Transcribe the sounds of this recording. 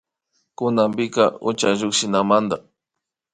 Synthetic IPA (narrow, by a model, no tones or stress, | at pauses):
kʊnambɪkaʊt͡ʃaʒokʃɪnamand̪a